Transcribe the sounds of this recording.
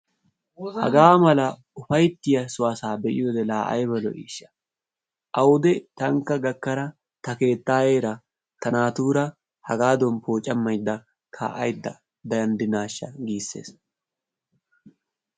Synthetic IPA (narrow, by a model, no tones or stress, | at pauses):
hɐ̰ɡaːmɐlɐ | ʊfɐjt̪ːɪjɐsʊwaːsaːbɛʔɪ̰joːd̪ɛlaːʔɐ̰jbɐlɔ̰ʔḭːʃːɐ̥ | ʔɐwʊd̪ɛt̪ɐŋkːɐɡɐkːɐɾɐ | t̪ɐke̞ːt̪ːaːje̞ːɾɐ | t̪ɐnaːt̪uːɾɐ | hɐɡaːd̪ɔnpoːt͡ʃʼːɐmːɐjd̪ːɐ | kʰa̰ːʔɐjd̪ːɐ | d̪ɐjɐnd̪ɪnaːʃːɐ̰ɡiːsːe̞̰ːs